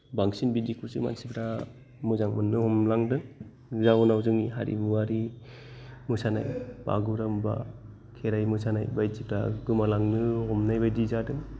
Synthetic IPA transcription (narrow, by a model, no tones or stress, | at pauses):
baŋsinbidikʰusɯma̰nsipɾa | mɯzaŋmɯnːɯhɔmlaŋdɯŋ | zanawzɯŋiɦaɾḭmuwaɾi | musana̰jba̰ɡuɾɯmba̰ | kʰeɾajmusanajbajdibɾa̰ɡɯmalaŋnɯhɔmnajbajdizadɯŋ